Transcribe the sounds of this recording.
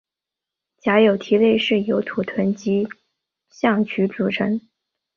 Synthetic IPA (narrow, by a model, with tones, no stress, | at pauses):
t͡ɕja˧˥jo˨˩ʊt̪ʰi˧˥le˥˧ɪʂɻ̩˥˩jo˧˥ʊt̪ʰu˨˩t̪ʰwə˧˥nt͡ɕi˧˥ | ɕjɑ˥˩ŋt͡ɕʰy˧˥ʈ͡ʂu˨˩ʈ͡ʂʰɤ˧˥ŋ